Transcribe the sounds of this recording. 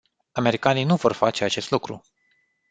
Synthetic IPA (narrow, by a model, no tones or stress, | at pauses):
ame̞ɾikanijnuvo̞rfat͡ʃe̞at͡ʃe̞st̪lukɾṵ